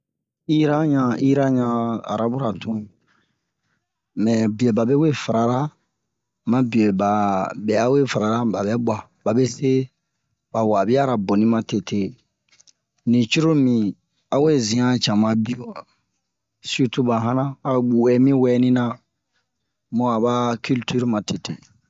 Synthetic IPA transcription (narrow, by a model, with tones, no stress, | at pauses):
i˦ɾa˦ɲã˨i˦ɾa˦ɲã˧a̰˨ɾa˦bu˦ɾa˨tʰũ˦ | mɛ̃˨bi˨o˨ba˨be˦we˦fa˨ɾa˨ɾa˦ | mã˦bi˨o˨ba˨bɛ˨a˦we˦fa˨ɾa˨ɾa˦ba˨bɛ˦ba˨ | ba˨be˦se˦ | ba˨wa˨bi˦a˦ɾa˨bõ˨nĩ˦mã˨te˨tʰe˦ | nĩ˨t͡ʃu˦ɾo˦mĩ˨ | a˦we˦zĩ˨ã˦t͡ʃã˨mã˨bi˦o˨ | si˦tu˦ba˨ɦã˦nã˦a˨wɛ˦mĩ˦wɛ˦nĩ˦nã˦ | mo˦a˨ba˦ky˦lty˦ɾmã˨te˨tḛ˨